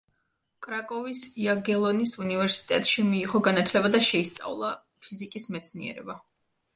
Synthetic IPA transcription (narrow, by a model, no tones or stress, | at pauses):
kʼɾakʼɔvisiaɡɛlˠɔnisunivɛɾsi̥t̪ʼɛt̪ʼʃimiːʁɔɡanat̪ʰlɛbad̪aʃɛist̪sʼa̰vlˠa | pʰizikʼismɛt̪sʰniɛ̰ɾɛ̰ba